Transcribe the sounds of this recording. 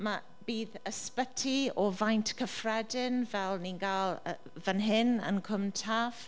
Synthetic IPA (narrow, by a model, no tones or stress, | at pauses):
ma | b̥iːðəspətʰiɔvajntʰkʰəfrɛdɪnvɛlˠninɡaːlˠə | vanɦɪnə̰nkʰʊmtʰav̥